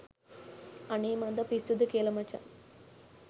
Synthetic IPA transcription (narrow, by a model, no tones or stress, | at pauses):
ɐneːmɐnd̪ɐpisud̪ukeːlɐmɐt͡ʃɐ̰